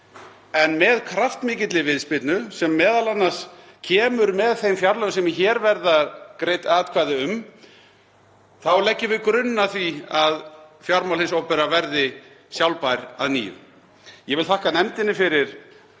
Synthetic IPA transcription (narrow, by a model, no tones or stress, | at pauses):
ɛnmɛðkʰɾaft̪mɪːcɪt̪lɪvɪðspɪt̪nʏsɛmːɛːðalanːas | cʰɛːmʏɾmɛðθejmfjaɾlœɣsɛmçɛːɾvɛɾðakɾeːjt̪aːt̪kʰvaːjðɪʏm | θawlɛcːɪvɪkɾʏnːaθviaðfjaɾmawlhɪnsoːwpɛɾavɛɾðɪ | sjawlpajɾa̰ðnḭːʏ̰ | jɛvɪlθʰahkanɛmt̪ɪnːɪfɪɾɪɾ̥